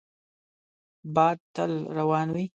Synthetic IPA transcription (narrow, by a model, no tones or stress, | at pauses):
bɑːd̪̚t̪əlɾawɑːnwi